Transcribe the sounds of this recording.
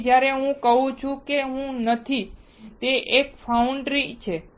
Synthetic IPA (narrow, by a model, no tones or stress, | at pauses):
d͡ʒjaɾeɦũkəɦũt͡ʃʰũkeɦũnət̪ʰi | t̪eʔekfauɳɖɾit͡ʃʰe